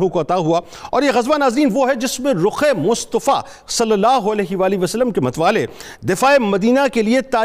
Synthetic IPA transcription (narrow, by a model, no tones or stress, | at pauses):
ɦũkoɐt̪aːɦua | ɔːɾjeɣɐzbanaːzɾiːnʋoɦɛd͡ʒɪsmẽɾʊxemʊst̪əfa̰ | sɐlːɐlːaːɦoɐlɛːɦɪʋaːliʋɐsəlːəmkemɐt̪ʋaːle | d̪ɪfaːemɐd̪iːnakeliet̪aː